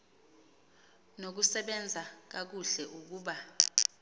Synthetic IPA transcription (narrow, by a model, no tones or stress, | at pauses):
nok̬usɛɓɛnd͡zʱak̬ak̬uɬɛʔuk̬uːɓa